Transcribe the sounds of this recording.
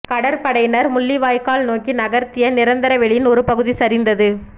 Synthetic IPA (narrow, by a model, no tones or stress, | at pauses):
kɐɽɐɾpɐɽɐjnɐɾmʊɭːiʋaːjkaːlnoːkinɐɣɐɾt̪ːɪjɐnɪɾɐnd̪ɐɾɐʋɛɭɪjɪnɔɾɯpɐɣɯðisɐɾɪnd̪ɐðɯ